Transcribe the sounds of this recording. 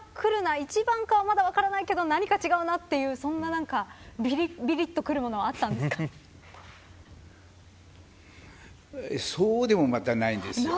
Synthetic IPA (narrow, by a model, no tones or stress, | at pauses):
kʰɯ̟ɾɯ̟nait͡ɕibãŋkaβamad̪aβakaɾanaike̞d̪o̞naɲ̟ikat͡ɕiɡaɯ̟nat̪ːe̞jɯ̟ːsõ̞nːanãŋkabʲiɾbʲiɾʲit̪ːo̞kɯ̟ɾɯ̟mo̞no̞βaat̪ːãnd̪esɨ̥ka | esoːd̪e̞mo̞mat̪anaĩnd̪esɨ